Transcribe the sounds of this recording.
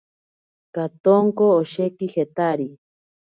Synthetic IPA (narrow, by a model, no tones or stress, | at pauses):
kat̪oŋkoːʃekihet̪aɾi